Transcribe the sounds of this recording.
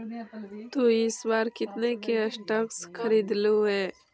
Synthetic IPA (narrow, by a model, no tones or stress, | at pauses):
t̪uɪsbaːɾkɪt̪nekeɐsʈɐkskʰɐɾiːd̪luɦeː